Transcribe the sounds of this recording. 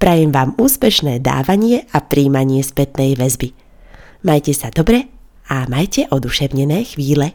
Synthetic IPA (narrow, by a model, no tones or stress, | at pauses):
pɾajɛmʋaːmuːspɛʃnɛːd̪a̰ːʋaɲɪɛapɾiːmaɲɪɛspɛt̪nɛjʋɛzbi | majcɛsad̪ɔbɾɛ | amajcɛʔɔd̪uʃɛʊɲɛnɛːxʋiːlɛ